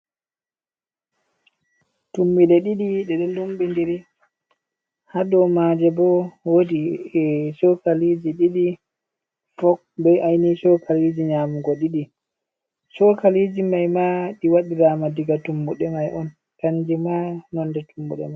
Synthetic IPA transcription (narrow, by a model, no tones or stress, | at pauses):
tumːilɛɗiɗiɗɛɗɛlumbindiɾi | hadɔmad͡ʒɛbɔwodiɛsɔkalid͡ʒiɗiɗi | fɔk̚bɛjʔajnisɔkʰalid͡ʒiɲaːmuɡɔɗiɗi | sɔkalid͡ʒimajmaɗiwaɗiɾamadiɡatumbuɗɛmajʔɔn | kaɲd͡ʒimanɔnːdɛtumbṵɗɛ̰maj